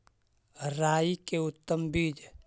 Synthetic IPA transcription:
ɾaːikeʊt̪ːəmbiːd͡ʒ

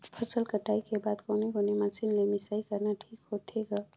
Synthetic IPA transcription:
pʰəsəlkəʈaikebad̪koneɡonemasinlemisaikəɾnaʈʰikɦot̪ʰeɡə

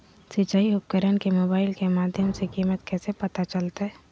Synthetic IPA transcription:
sɪt͡ʃaːiʊp̚kəɾənkemoːbaːɪlkemaːd̪ʱjəmsekiːmət̪kɛːsepɐt̪at͡ʃɐlt̪aɦɛː

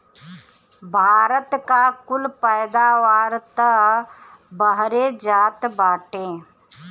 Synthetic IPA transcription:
bʱaːɾət̪kakʊlpəjd̪aʋaːɾt̪ə | bəɦɾed͡ʒaːt̪baːʈẽː

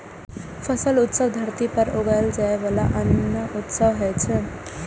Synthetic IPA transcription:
fʰəsəlut̪səʋd̪ʱəɾt̪ipəɾoɡald͡ʒajeʋalaʔənəʔut̪səʋɦəjt͡ʃʰe

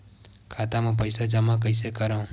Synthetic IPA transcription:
kʰat̪amãp̬əjsad͡ʒəmãkəjsekəɾã

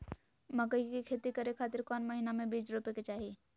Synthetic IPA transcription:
məkəikikʰeːt̪ikəɾekʰaːt̪ɪɾkɔːnməɦinamẽbiːd͡ʒɾupeket͡ʃaːɦi

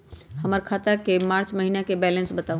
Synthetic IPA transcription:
həməɾkʰat̪əkemaɾt͡ʃməɦinakebɛlə̃nsbət̪au

